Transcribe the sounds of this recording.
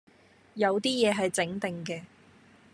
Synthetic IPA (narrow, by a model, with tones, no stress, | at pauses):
jɐ˨˧wt̪iː˥jɛː˨˧ɦɐ˨jt͡sɪ˨˥ŋt̪ɪ˨ŋkɛː˧